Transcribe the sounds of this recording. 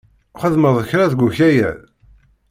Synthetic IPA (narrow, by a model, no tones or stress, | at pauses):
χəðməðˤəçɾæðɡʷuçæjæ̰ð